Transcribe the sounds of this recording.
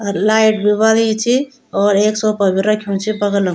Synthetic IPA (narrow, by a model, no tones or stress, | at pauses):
laiʈbiβalet͡ʃʰi | ɔːɾeksɔpəbʱiɾəkʰjunt͡ʃʰibəɡələ